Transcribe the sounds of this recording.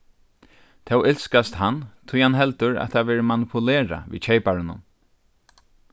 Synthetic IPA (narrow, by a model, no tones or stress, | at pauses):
t̪ʰɛwʔɛlskast̪hant̪ʰʊjhanɦɛlt̪ʊɹa̰t̪ʰaʋɛːɾəmanɪpʰʊlɛːɹa̰ʋḭːt͡ɕʰejpaɹɪnʊ̰n